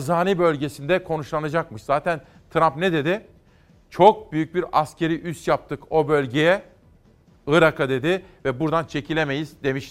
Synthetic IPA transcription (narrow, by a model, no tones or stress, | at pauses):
zaːnibø̞lʲɟe̞sind̪ɛkʰo̞nuʃlˠanad͡ʒakmɯʃz̥aːt̪ʰæn | t̪ʰɾampnɛd̪e̞d̪ɪ | t͡ʃʰo̞k̚byjyc̚biɾascʰe̞ɾiʔyst̪jap̚t̪ʰɯko̞bø̞lʲɟe̞jɛ | ɯɾakʰad̪e̞d̪ɪvɛbuɾd̪ant͡ʃʰe̞cʰilʲeme̞jizd̪e̞miʃ